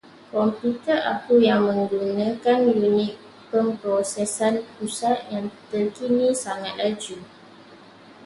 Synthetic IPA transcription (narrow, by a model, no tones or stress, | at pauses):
kɔmput̪ərʔa̰kujaŋmə̃ŋɡunə̃kanjunɪ̃k̚ | pəmpɾosɛsanpusat̪̚jaŋt̪ərkinĩsaŋat̪̚lad͡ʒu